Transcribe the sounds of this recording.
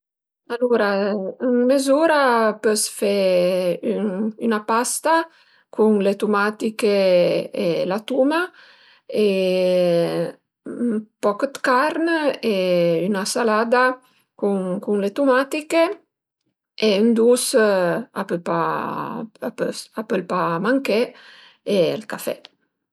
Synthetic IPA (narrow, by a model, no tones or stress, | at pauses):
aluɾaəŋmezuɾapøsfɛ | yynapast̪a | kuŋlet̪umat̪ikeelat̪uma | e | mpɔkt̪kaɾneynasalaːd̪a | kuŋkuŋlet̪umat̪ike | eynd̪us | a̰pøpa̰ | apøsapəlpamaŋkɛ | elkafɛ̰